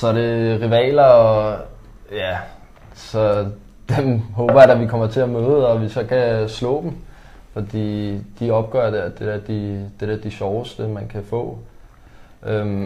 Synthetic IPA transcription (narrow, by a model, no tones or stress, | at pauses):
sɒ̽ɾe̝ʁiʋɛ̰ːlɐɒ̽ | jæ | sɒ̽ | d̥emɦɔːb̥ɐjɾ̥æʋikʰɒ̽m̰ɐt͡sʰe̝æmøːð̩ˠɒ̽ʋisɒ̽kʰæslɔ̰̽ːd̥m̩ | fɒ̽d̥ḭːd̥iɒ̽b̥̚ɡ̥ɶ̰ɐd̥ed̥edæɐd̥id̥eɾ̥æd̥iɕɒʊəsd̥əmænkʰæfɔ̰̽ː | ʔøm